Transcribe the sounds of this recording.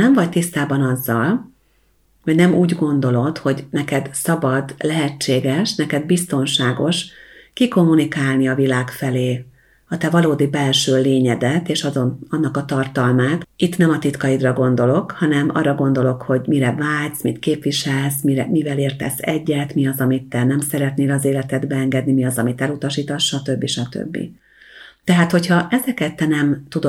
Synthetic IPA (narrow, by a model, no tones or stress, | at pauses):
nɛɱvɒc̚t̪ist̪aːbɒnɒzːɒl | hoɟnɛmuːɟɡo̞nd̪o̞lo̞t̪ho̞ɟnɛkɛd̪sɒbɒd̪lɛɦɛt͡ʃːeːɡɛʃnɛkɛd̪bist̪o̞nʃaːɡo̞ʃkiko̞mːunikaːlniɒvilaːkfɛleː | ɒt̪ɛvɒloːd̪ibɛlʃøːleːɲɛd̪ɛt̪eːʃɒzoɒnːɒkɒt̪ɒrt̪ɒlmaːt̪it̪nɛmɒt̪it̪kɒjid̪rɒɡo̞n̪d̪o̞lo̞khɒnɛmʔɒ̰rːɒɡo̞nd̪o̞lo̞kho̞ɟmiɾɛvaːlt̪smit̪keːpʋiʃɛlsmiɛmivɛleːrt̪ɛ̰sɛɟːɛt̪miɒzɒmit̪ːɛnɛmsɛɾɛt̪neːlɒzeːlɛt̪ɛd̪bɛɛŋɡɛd̪nimiɒzɒmit̪ɛlut̪ɒʃiːt̪ɒʃːɒt̪øbːiʃɒt̪ø̰bːḭ | t̪ɛɦaːt̪ho̞chɒʔɛzɛkɛt̪ːɛnɛmt̪ud̪o